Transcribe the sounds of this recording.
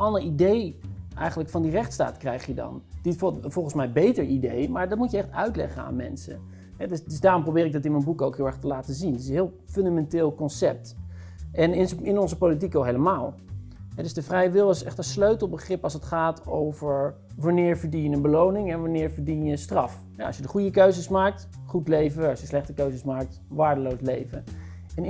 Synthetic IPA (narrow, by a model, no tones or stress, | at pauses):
ɑndəɹidejʔɛ̰jχənləkfɑndirɛχtsta̰ːtkrɛjχjədɑ̰nd̥ifɔlˠχənsmɛjbejtəɹidejmaːɹdɑtmutjəɛχtœ̰ɥtlɛ̰χəna̰ːnmɛ̰nsə̰ | ɦɛdsdsdaːrɔmprowbɪːɾɪɡ̚dɑtɪnmənbukowkɦɪlˠɛɹχtəlaːtəzindɪtɪsənɦɪːlˠfɵndamɛntɪːlˠkɔnsɛp̚t | ɛnɪnɪnɔnzəpowlit̬ikʋolˠɦejləmaːlˠɦɛdɵzdəvrɛjʋɪlˠɪsɛ̰χtənsløɥtəl̩ˠbəχrɪpɑlˠsətχaːtowvəɹ | ʋɑnɪːɹvəɹdijəənbəlownɪŋɛnʋanɪːɹvəɹdinjəstrɑf | ɦɛɑ̰ʃjədəχujəkøɥzəsmaːk̚t | χutlejvəɑʃjəslɛχtəkøɥzəsmaːk̚t | ʋaːɹdəlowslejvə | ɛn